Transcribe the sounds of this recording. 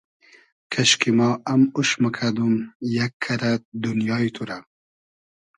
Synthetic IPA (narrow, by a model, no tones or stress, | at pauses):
kʰɐʃkimɑːɐmuʃmɐkʰad̪umjakʰːɐɾad̪unjɑːit̪ʰuɾa